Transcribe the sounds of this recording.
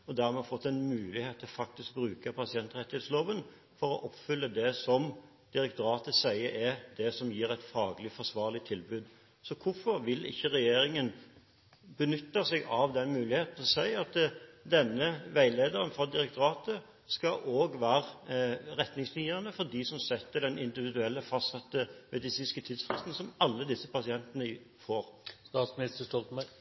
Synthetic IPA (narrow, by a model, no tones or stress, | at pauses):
ɔd̪æɾmɛɑfɔt̪ːɛɪnmʉːlɪheːt̪ʰːɪlɔfɑk̚t̪ɪsk̚bɾʉːkəpʰɑsɪɛnt̪ɾʁɛt̪ɪheːt̪sloːʋən | fɔɾɔʔɔpːfʏlːəd̪ɛsɔm | d̪̥ɪɾɛkt̪ʊɾɑːt̪əsæɪəɾʔɛd̪ɛsɔmjiːɾæɪt̪fɑːɡlɪfɔʂʋɑːʁlɪt̪ʰːɪlbʉːd̪ | sɔkʰʊfɔɾʋɪlɪ̰çːəɾɛjeːɾɪŋən | bənʏt̪ːɑsɛɡɑʋd̪ɛnmʉːlɪheːt̪n̩t̪ʰɪlɔsæɪɑt̪d̪ɛnːəʋæɪleːd̪əɾənfɑd̪ɪɾɛk̚t̪ʊɾɑːt̪ə | skɑʔoːɡʋæːɾəɾɛt̪nɪŋslɪəənəfɔɾd̪iːsɔmsɛt̪ːəɖɛnɪnd̪ɪʋɪd̪ʉɛlːəfɑst̪sɑt̪ːəmʔɛd̪ɪsiːnskət̪ʰid̪sfʁɪst̪n̩sɔmɑlːəd̪ɪsːəpɑsɪɛnt̪nəɪ | foːɾst̪ɑːt̪smnɪst̪əʂʈɔlt̪mæ